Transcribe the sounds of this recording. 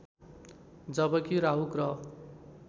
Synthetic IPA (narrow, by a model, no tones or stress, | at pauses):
d͡zʌbʌkiɾaɦukrʌ